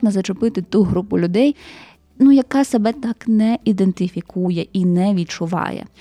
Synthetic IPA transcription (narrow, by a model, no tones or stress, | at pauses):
nɐzɐt͡ʃʊpɪt̪ɪt̪uɦɾupʊlʲʊd̪ɛj | nujɐkɑsɐbɛt̪ɑknɛid̪ent̪ɪfʲikujɛʔinɛʋʲit̪̚t͡ʃʊʋɑ̰jɛ̰